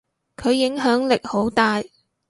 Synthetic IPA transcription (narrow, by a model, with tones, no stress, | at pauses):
kʰɵ˨˧ɥːɪ˨˥ŋɦœː˨˥ŋlɪ˨k̚ho˨˥wt̪aː˨j